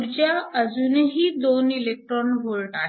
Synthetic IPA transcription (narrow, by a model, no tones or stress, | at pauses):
ɾt͡ɕjaəd͡zuneɦiːd̪onilek̚ʈɾɔnɦolʈa